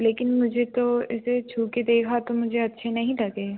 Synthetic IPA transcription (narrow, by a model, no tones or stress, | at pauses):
leːkɪnmʊd͡ʒʱet̪oɪset͡ʃʰuːked̪eːkʰat̪omʊd͡ʒʱeɐtːʃʰenɐɦĩlɐɡeː